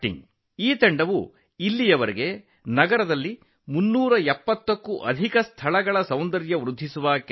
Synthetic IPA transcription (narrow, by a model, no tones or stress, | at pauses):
ʈḭŋ | iːt̪ɐɳɖɐʋu | ilːijɐʋɐɾiɡe̞ | nɐɡɐɾɐd̪ɐlːi | munːuːɾɐɛpːɐt̪ːɐkːuʔɐ̰d̪ʱikɐst̪ʰɐɭɐɡɐɭɐsɐwnd̪ɐɾjɐʋɾud̪ʱːisuʋaːk